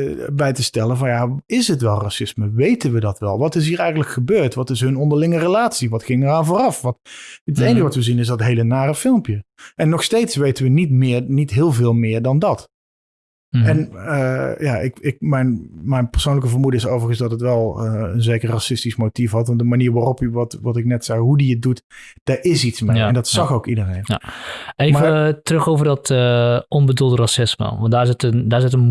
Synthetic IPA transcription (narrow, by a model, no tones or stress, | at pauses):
bɛjtəstɛləvɑnjaɪsɦətʋɛlˠrasɪsməʋejtənʋədɑtʋɛ̰lˠʋɑtɪs̬ɦiːɹɛjɣənləkχəbøːɹtʋɑtɪsɦɵnɔndəɹlɪŋərəlaːtsiʋɑtχɪŋəɹaːnvʊːrɑfʋɑtətejnəɣəʋɑtʋəzinɪsdɑtɦejlənaːrəfɪlˠmpjəʔɛnːɔxstejtsʋejtənʋənitmɪːɹnitɦɪːlˠvɪːlˠmɪːɹdɑndɑt | ɛn | jaʔɪkɪk̚mɛjnmɛjnpəɹsownləkəvərmudəɪsowvəɹɣənsdɑtɦətʋɛlˠəənzeːkərrasɪstismotifɦɑtʋɑndəmaniːɹʋaːrɔpʋɑtʋɑtɪknɛtsɛjɦudiət̚dutd̥aːɹʔɪsitsmeɛndɑtsɑxowkidərejna̰ejvətərɵxowvərdɔtəɔnbədulˠdərasɪsmə̰ʋɑ̰ndaːɹsətəndaːɹɪsɪt̬ən